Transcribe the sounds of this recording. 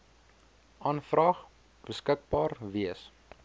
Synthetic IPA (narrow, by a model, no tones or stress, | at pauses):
ʔɑːnfrɑːχ | b̥əskək̚bɑːrviəs